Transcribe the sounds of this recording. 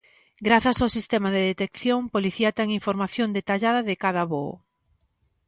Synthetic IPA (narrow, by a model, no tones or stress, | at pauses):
ɡɾaθasawsist̪ɛmað̞eðet̪ekθjoŋpoliθiɐt̪ɛŋiɱfoɾmaθjond̪et̪aʎaðɐðɪkaðaβo̰